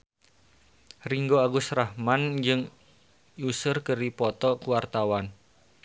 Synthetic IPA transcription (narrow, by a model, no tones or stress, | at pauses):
riŋɡoaɡusrahmand͡ʒɨŋ | jusʊrkəɾipɔt̪ɔkuwart̪awan